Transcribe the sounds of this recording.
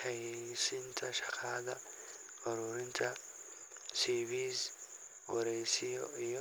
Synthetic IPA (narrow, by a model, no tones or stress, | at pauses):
ɐjsɪnt̪ʰɐʃɐ̥kaːd̪ɐ | ɔɾʊɾɪnt̪ʰɐ | sibiːz | wɐɾeːsɪɔ̰ʔɪjɔ